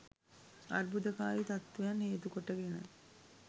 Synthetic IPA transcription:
ɐ̰ɾbud̪ɐkaːjit̪ɐt̪ʋejɐnheːt̪ukoʈːɐɡenə̰

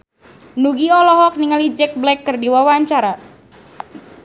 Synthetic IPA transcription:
nuɡiɔlɔɦɔk̚niŋalid͡ʒɛk̚blɛkːɨrdiwawaɲt͡ʃaɾa

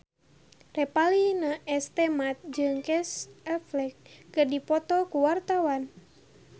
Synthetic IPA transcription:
rɛpalinaʔɛst̪ɛmat̪̚d͡ʒɨŋkɛsɛflɛkːɨrdipɔt̪ɔkuwart̪awan

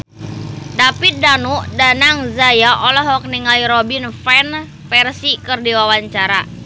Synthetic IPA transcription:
dapit̪̚danuʔdanaŋzajaʔɔlɔɦɔk̚niŋaiɾɔbinfɛn | fɛrsikərdiwawaɲt͡ʃaɾa̰

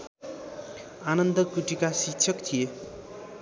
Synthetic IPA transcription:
anʌnd̪ʌkuʈikasik̚t͡ʃʰʌkt̪ʰije

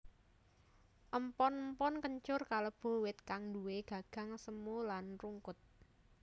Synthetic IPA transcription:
ʔəmpɔnmpɔnkəɲt͡ʃʊrkaləb̥o̤wɪt̪̚kaŋduweɡ̥ä̤ɡ̥ä̤ŋsəmulanruŋkʊt̪̚

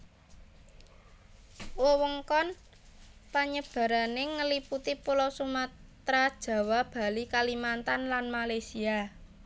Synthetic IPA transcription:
wowəŋkɔn | paɲəb̥ä̤ɾanɪŋːəliput̪ipulɔsumat̪ɾad̥ʒ̥ä̤wab̥a̤likalimant̪anlanmalajsia

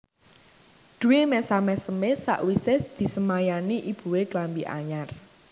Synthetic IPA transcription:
d̪̥ṳwemɛsamɛsəmesa̰ʔwisɪsd̪̥i̤səmajaniʔib̥ṳweklambiʔa̰ɲar

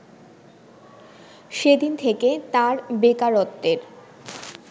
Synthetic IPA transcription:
ʃed̪int̪ʰeket̪aɾbekaɾot̪ːeɾ

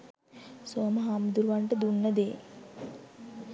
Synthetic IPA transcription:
soːməɦamud̪uɾuʋaɳʈəd̪unːəd̪eː

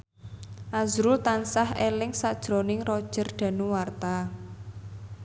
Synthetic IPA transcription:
ʔazɾʊlt̪ansahelɪŋsad̥ʒ̥ɾo̤nɪŋrɔd̥ʒ̥ə̤rɖ̪̥ä̤nuwart̪a

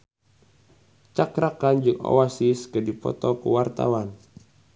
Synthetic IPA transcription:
t͡ʃakɾakand͡ʒɨŋɔ̰wasiskədipɔ̰t̪ɔkṵwart̪a̰wan

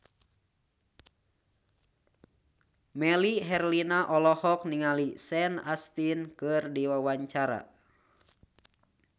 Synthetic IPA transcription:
mɛliɦɛrlinaʔɔlɔhɔk̚niŋalisɛnast̪inkɨrdiwawaɲt͡ʃaɾa̰

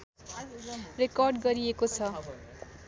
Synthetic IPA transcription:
rekʌrɖɡʌɾiekot͡sʰʌ

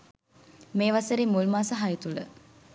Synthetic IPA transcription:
meːʋɐseɾimulmaːsɐɦajət̪ulə

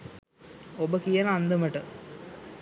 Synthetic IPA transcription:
obəkijɐnand̪ɐməʈə

